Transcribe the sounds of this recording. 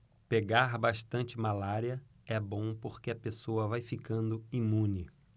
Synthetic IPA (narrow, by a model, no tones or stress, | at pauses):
peɡaɾbaʃt̪ɐ̃nt͡ʃɪmalaɾiɐ | ɛbõw̃poɾkeɐpesoɐvajfikɐ̃nd̪ʊimũnɪ